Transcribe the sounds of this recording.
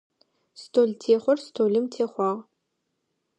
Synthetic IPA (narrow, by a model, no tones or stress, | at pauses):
stʰoːltʰeːχʷɔrstʰoːlɨmtʰeːχʷɑːʁ